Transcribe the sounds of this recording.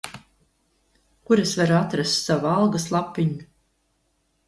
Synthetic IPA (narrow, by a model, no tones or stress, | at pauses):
kuɾesvaɾuat̪ɾast̪savualˠɡaslˠapʲːiɲu